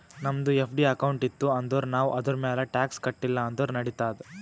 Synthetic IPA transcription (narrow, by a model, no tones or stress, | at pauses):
nɐmɐd̪uepʰɖiɐkɐwɳʈit̪ːuɐnd̪oɾnaːʋuʔɐd̪ɐɾmɛːlɐʈaːkskɐʈːilːɐːnd̪oɾnɐɽit̪aːd̪ɛ